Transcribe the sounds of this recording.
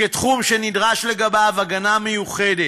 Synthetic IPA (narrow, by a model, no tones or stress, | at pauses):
et̪χumʃenid̪ʁaʃle̞ɡabavaɡanamejuχede